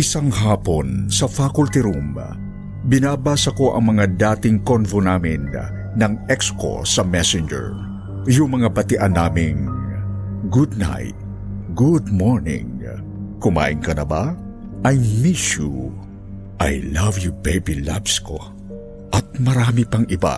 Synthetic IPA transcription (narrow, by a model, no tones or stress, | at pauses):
ʔɪsaŋhaːponsɐfakʊlt̪ɪɾum | bɪnaːbaːsɐko̞ʔɐ̰ŋmɐŋad̪aːt̪ɪŋkonvonaːmɪnː | ɐŋɛksko̰sɐmɛsɪnd͡ʒɛ̰ɹ | jʊŋmɐŋabɐt̪ɪʔanːaːmɪŋ | ɡud̪̚na̰jt̪̚ | ɡud̪̚moɹnɪ̰̃ŋ | kʊma̰ːʔɪŋkɐnɐba | ʔɐjmiʃu | ʔa̰jlɐvjubejbila̰bsko̰ | ʔɐt̪̚mɐɾaːmipɐŋɪba̰